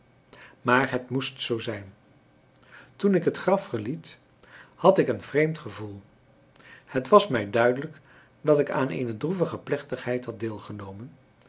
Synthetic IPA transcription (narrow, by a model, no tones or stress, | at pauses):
maːɹɦətmustsowzɛjn | tunɪkɦətχrɑfːəɹlit | hɑtɪkənv̥rejmtχəvulˠ | hətʋɑsmɛjdœɥdələk | dɑtɪka̰ːnḛjnədruvəχəplɛχtəχɦɛjtɦɑd̚deːlˠχənowmən